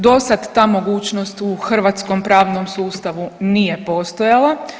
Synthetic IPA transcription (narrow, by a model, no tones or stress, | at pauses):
d̪o̞sad̪ːaːmo̞ɡuːt͡ʃnost̪uxr̩ʋat̪skompɾaːʋnomsuːst̪aʋunije̞po̞st̪ojalˠa